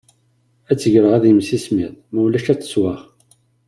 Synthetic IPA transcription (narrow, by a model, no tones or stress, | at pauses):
æt͡sːəʝɾəʁæðjmsismiðˤmæwlæʃæt͡sːə̥swaʁ